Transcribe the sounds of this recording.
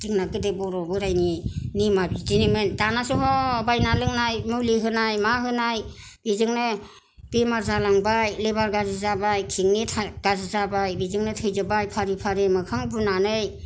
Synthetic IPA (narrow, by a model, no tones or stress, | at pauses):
tiŋnakɯdebɔɾɔbɯɾajninimabitinemɯndanasuɦɔbajnalɯŋnajmuliɦɯnajmaɦɯnaj | b̥izɯŋnɯ | b̥emaɾzalaŋbajlebaɾɡazizabajkʰiŋnitʰaɡ̥azizabajbizɯŋnɯtʰɯjzɯbajpʰaɾipʰaɾemɯkʰaŋbunanɯj